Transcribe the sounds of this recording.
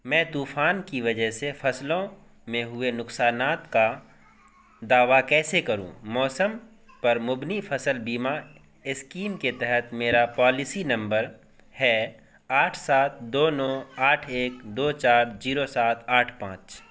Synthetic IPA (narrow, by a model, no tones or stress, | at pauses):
mɛ̃ːt̪uːfaːnkiʋɐd͡ʒəɦsefɐslõ | mẽɦʊenʊksaːnaːt̪ka | d̪aːʋakɛːsekɐɾṵ̃mɔːsəm | pɐɾmʊbnifʰɐsəlbiːma | ɪskiːmket̪ɛɦɛt̪meːɾapaːlɪsinɐ̃mbəɾ | hɛː | aːʈʰsaːt̪̚ʰd̪oːnɔ̃ːaːʈʰeːkd̪oːt͡ʃaːɾziːɾosaːt̪ʰaːʈʰpãːt͡ʃ